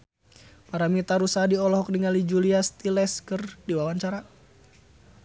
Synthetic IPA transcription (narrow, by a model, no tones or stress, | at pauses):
paɾamit̪aɾusadiɔlɔɦɔk̚diŋalid͡ʒuliast̪ilɛskɨrdiwawaɲt͡ʃaɾa